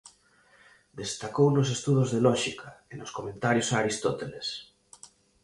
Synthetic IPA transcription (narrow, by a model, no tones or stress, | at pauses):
d̪est̪akownos̬est̪uðozðelɔʃikʰaenoskomẽnt̪aɾjosaɾist̪ɔt̪eles